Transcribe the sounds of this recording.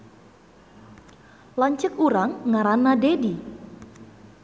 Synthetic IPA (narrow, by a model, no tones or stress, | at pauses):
laɲt͡ʃəkuɾaŋːaɾanːadedi